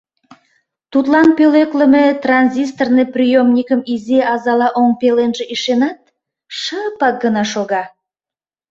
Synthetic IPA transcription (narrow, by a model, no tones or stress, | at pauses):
t̪ut̪lˠɑnpølekləmet̪rɑnzʲis̬t̪ornəprʲijomnʲikəmizeʔɑzɑlɑʔoŋpelenʒeʔiʃenɑt̪̚ | ʃəpɑk̚ɡənɑʃoɣɑ